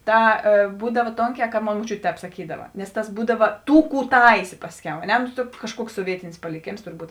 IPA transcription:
ˈtɐ eː ˈbuːdɐw ˈtoːŋʲˌkʲɛː kɐ ˈmoːn moːˈt͡ʃʲʊtʲeː ˈtʲɛːp sɐˈkʲiːdɐʋɐ nʲɛs ˈtɐs ˈbuːdɐʋɐ ˈtuː ˈkuː ˈtɐɪsʲeː ˈpɑːsʲˌkʲɛʊ ɐ ˈnʲɛ noː ˈkɑːʃˌkuɔks soːˈʋʲiɛtʲɪnʲɪs pɐlʲɪˈkʲeːms tʊrˈbuːt

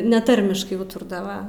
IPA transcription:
nʲɛˈtɐrʲmʲɪʃkɐɪ ˈuːtʊrdɐʋɐ

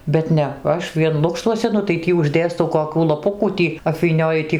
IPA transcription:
bʲɛt ˈnʲɛ ˈɐʃ ʋʲiɛn ˈlˠʊkʃtuɔsʲɛ nʊ tɐɪ ˈtʲiː ʊʒʲˈdʲeːstɐʊ koːˈkʲuː lˠɐˈpʊkuː ˈtʲiː ɐpʲʋʲiːˈnʲoːjʊ tʲɪ

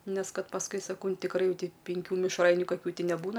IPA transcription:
ˈnʲɛs ˈkɐt pɐsˈkʊɪ sɐˈkɐʊ ˈnʊ tʲɪkˈrɐɪ ˈjɛʊ ˈtʲɪ pʲɛŋʲˈkʲuː mʲɪʃˈrɐɪnʲʊ kɐˈkʲuː nʲɛˈbuːnɐ

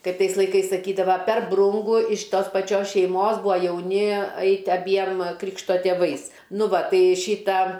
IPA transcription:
ˈkɐɪp ˈtɐɪs lˠɐɪˈkɐɪs sɐˈkʲiːdɐʋɐ pʲɛr ˈbrʊŋɡʊ ɪʃ ˈtoːs pɐˈt͡ʃʲoːs ʃʲɛɪˈmoːs ˈbʊɐ jɛʊˈnʲɪ ˈɐɪtʲɪ ɐˈbʲiɛm ˈkrʲɪkʃtoː tʲeːˈʋɐɪs ˈnʊ ˈʋɐ ˈtɐɪ ˈʃʲiːtɐ

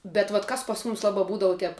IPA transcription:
bʲɛt ʋɐt ˈkɐs pɐs ˈmʊmʲɪs ˈlˠɑːbɐ ˈbuːdɐʋʊ ˈtʲɛp

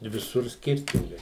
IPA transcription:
ɪ ʋʲɪˈsʊr ˈsʲkʲɪrʲtʲɪŋɡɐɪ

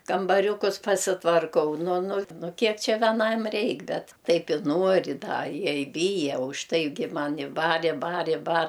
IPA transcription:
kɐmbɐˈrʲʊkʊs pɐsʲɪtʋɐrˈkɐʊ ˈnʊ ˈnʊ ˈnʊ ˈkʲiɛk ˈt͡ʃʲɛ ʋʲɛˈnɐm ˈrʲɛɪk ˈbʲɛt ˈtɐɪp ɪ ˈnuɔrʲɪ ˈdɐ ˈjiɛ ɪ ˈbʲiːjɛ ʊʃˈtɐɪɡʲɪ ˈmɑːnʲɪ ˈbɐr ɪ ˈbɐr ɪ bɐr

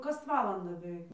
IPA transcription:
ˈkɐs ˈʋɑːlˠɐndɑː bʲɛˈʋʲɛɪk

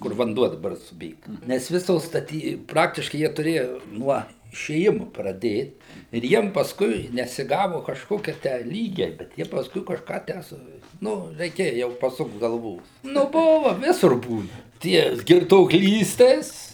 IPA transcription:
kʊr ʋɐnˈduɔ dɐˈbɐr sʊˈbʲeːɡɐ ˈnʲɛs ˈʋʲɪsoːs stɐˈtʲiː ˈprɑːktʲɪʃkɐɪ ˈjiɛ tʊˈrʲeːjɛ ˈnuɔ ɪʃʲeːˈjɪmʊ prɐˈdʲeːt ɪr ˈjiɛm pɐsˈkʊɪ nʲɛsʲɪˈɡɑːʋʊ kɐʃˈkoːkʲiɛ tʲæː ˈlʲiːɡʲɛɪ ˈbʲɛt ˈjiɛ pɐsˈkʊɪ kɐʃˈkɑː ˈtʲæː sʊ ˈnʊ rʲɛɪˈkʲeːjɛ jɛʊ pɐˈsʊkt ɡɐlˠˈʋuː nʊ ˈbʊʋɐ ˈʋʲɪsʊr ˈbuːnɐ ˈtʲiɛ ɡʲɪrtuɔkˈlʲiːsʲtʲeːs

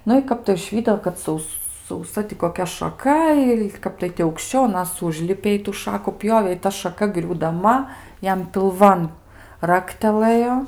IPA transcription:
ˈnʊ ɪ ˈkɐp tɐɪ ʊʒʲˈʋʲiːdoː kɐt ˈsɐʊs sɐʊˈsɐ tʲɪ koːˈkʲɛ ʃɐˈkɐ ɪ ˈkɐp tɐɪ tʲɪ ɐʊkʃʲˈt͡ʃʲɛʊ ɐˈnɐs ˈʊʒʲlʲɪpʲeː ɪ tuː ˈʃɑːkʊ ˈpʲjoːʋʲeː ɪ ˈtɐ ʃɐˈkɐ ɡrʲuːdɐˈmɐ ˈjɛm pʲɪlˠˈʋɐn ˈrɑːktʲɛlˠɘjoː

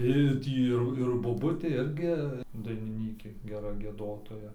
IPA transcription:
ɪ ˈtʲiː ɪr ɪr boːˈbʊtʲeː ˈɪrʲɡʲɪ dɐɪnʲɪˈnʲiːkʲeː ɡʲɛˈrɐ ɡʲiɛˈdoːtoːjɛ

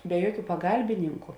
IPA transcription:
bʲɛ ˈjuɔˌkʲuː pɐˈɡɐlʲbʲɪnʲɪŋkʊ

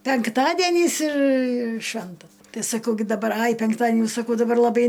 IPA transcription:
pʲɛŋkˈtɑːdʲiɛnʲiːs ɪr ˈʃʲʋʲɛntɐ ˈtɐɪ sɐˈkɐʊ ɡʲɪ dɐˈbɐr ɐɪ pʲɛŋkˈtɑːdʲiɛnʲɪ sɐˈkɐʊ dɐˈbɐr lˠɐˈbɐɪ

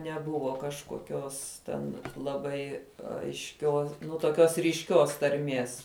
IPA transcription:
nʲɛˈbʊʋoː kɐʃkoːˈkʲoːs tʲɛn lˠɐˈbɐɪ ɐɪʃʲˈkʲoː nʊ toːˈkʲoːs rʲiːʃʲˈkʲoːs tɐrʲˈmʲiɛs

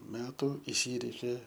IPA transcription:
ˈmʲæːtʊ ɪˈsʲiːrʲɛɪkʲeː

